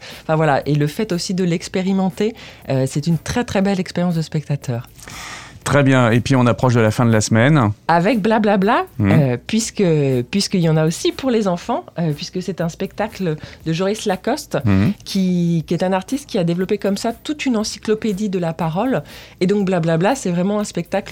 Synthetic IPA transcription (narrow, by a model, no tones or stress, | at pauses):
ɑ̃fɛ̃vwalaʔeləfɛt̪osid̪əlɛkspeʁimɑ̃t̪eøsɛt̪ynt̪χɛt̪χɛbɛlɛkspeʁjɑ̃s̬d̪əspɛk̚t̪at̪ʰœːʁ | t̪χɛbjɛ̃epɥiɔ̃napχɔʃd̪əlafɛ̃d̪əlasmɛnavɛk̚blablablaøpɥiskəpɥiskəiljɑ̃naosipuʁlezɑ̃fɑ̃øpɥiskəsɛt̪ɛ̃spɛk̚t̪akld̪əʒɔʁislakɔst̪kʲʰikʲiɛt̪ɛ̃naʁt̪ist̪̚kʲiad̪evlɔpekɔmsat̪ut̪ynɑ̃siklɔped̪id̪əlapaʁɔled̪ɔ̃k̚blablablasɛvʁɛmɑ̃ɛ̃spɛk̚t̪akl